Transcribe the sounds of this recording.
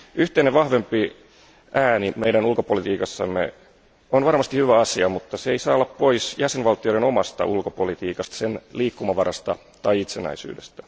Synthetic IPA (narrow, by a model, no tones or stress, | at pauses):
yht̪eineʋʋɑhʋe̞mpi | ʔæːnimeidænulkopolit̪iːkɑsːɑ̰mːḛ | onʋɑrmɑst̪ihyʋæɑsiɑmut̪ːɑseeisɑːolːɑppoisjæsenʋɑlt̪ːˑioɾenomɑst̪ɑ̰ʔulkopolit̪iːkɑst̪ɑ̥senliːkːumɑʋɑɾɑst̪ɑ | t̪ɑiit̪senæ̰isy̰ːdest̪æ̥